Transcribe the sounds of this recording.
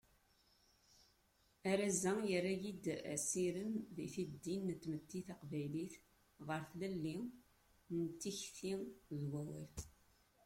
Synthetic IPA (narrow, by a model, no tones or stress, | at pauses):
æɾæzæjərːajid̪æ̰siɾəmðiθid̪ːinːt̪ːmət̪ːiθaqvæjliθ | ʁəɾθlælːi | nət̪ːiçθiðwæwḭl